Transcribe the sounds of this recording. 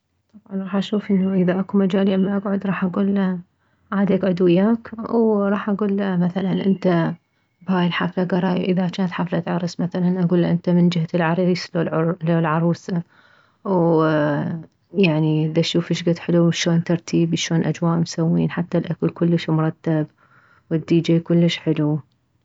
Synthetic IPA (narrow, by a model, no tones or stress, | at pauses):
t̪ˤɑbʕɑnɾˤɑːħʔaʃuːfʔɪnːaʔɪðaʔakumad͡ʒaːljmːaʔaɡʕʊd̪ɾˤɑːħʔaɡuːlːa | ʕaːd̪iʔaɡʕʊd̪wɪjːaːkwɾˤɑːħʔaɡuːlːamaθalanʔɪnt̪a | bhaːjɪlħaflaɡɑɾˤɑːjʔɪðakaːnt̪ħaflat̪ʕɑɾˤɨsmaθalanʔaɡuːlːaʔɪnt̪amɪnd͡ʒɪhalʕɑɾˤiːsloloːlʕɑɾˤuːsa | w | jaʕniðaʃuːfɪʃɡat̪ħɪluʃoːnt̪ɑɾˤt̪ʰiːbʃoːnʔad͡ʒwaːʔmsawːḭːnħat̪ːalʔakɪlkʊlːəʃmʊɾˤɑt̪ːab | wɪd̪ːiːd͡ʒeːkʊlːəʃħɪlu